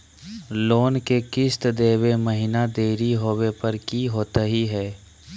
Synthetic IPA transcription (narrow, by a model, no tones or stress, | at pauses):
loːnkekɪst̪d̪eːweməɦɪnad̪eːɾiɦoːwepɐɾkiɦoːt̪aɦiɦɛː